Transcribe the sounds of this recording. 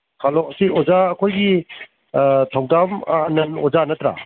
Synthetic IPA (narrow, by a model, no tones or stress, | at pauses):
kʰalɔsiɔzaɐkʰojɡi | tʰawdamːnɐnɔzanɐtɾa̰